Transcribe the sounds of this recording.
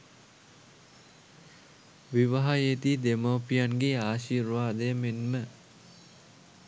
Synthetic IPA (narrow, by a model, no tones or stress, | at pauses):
ʋiʋaɦajet̪iːd̪emoːpijanɡeaːʃiːɾʋaːd̪əjəmenmə